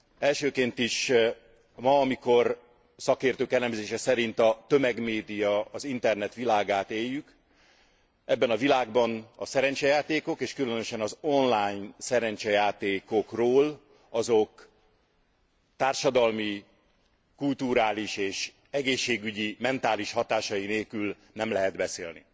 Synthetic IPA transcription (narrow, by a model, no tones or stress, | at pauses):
ɛlʃøːkeːnt̪iʃ | mɒːmiko̞r | sɒkeːrt̪øːkɛlɛmzeːʃɛsɛɾint̪ɒt̪ø̞mɛɡmeːd̪ijɒɒzint̪ɛrnɛt̪ʋilaːɡaːt̪eːjːyk | ɛbːɛnɒvilaːɡbɒnɒsɛɾɛɲt͡ʃɛjaːt̪eːko̞keːʃkylønøʃɛnɒzo̞nlaːjnsɛɾɛɲt͡ʃɛjaːt̪eːko̞kroːl | ɒzo̞k | t̪aːrʃɒd̪ɒlmi | kult̪uɾaːliʃeːʃ | ɛɡeːʃːeːɡyɟimɛnt̪aːliʃhɒt̪aːʃɒjineːlkyl | nɛmlɛɦɛd̪bɛsḛːlnḭ